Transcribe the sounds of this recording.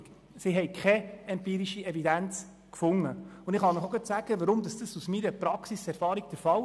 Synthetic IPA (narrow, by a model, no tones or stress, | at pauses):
siɦɛjkʰχɛɛmpiːɾiʃiɛvidænt͡s | kfʊŋːəʊnɪχɑnəχoɡət̪sæɡ̥əʋəɾʊmd̥̪ɑsd̥əsusmiːɾəpɾɑksisɛɾfɑːɾiɡ̥̚d̥əɾfɑl